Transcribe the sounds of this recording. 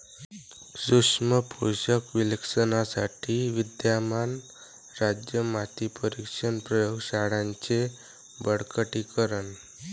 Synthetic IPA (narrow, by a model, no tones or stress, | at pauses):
suʂməpʰuɕəkʋileksənasaʈʰiʋid̪jaman | ɾad͡ʑjəmat̪ipəɾikʂənpɾəjoɡɕaɽãɲt͡ɕe | bəɽkəʈikəɾən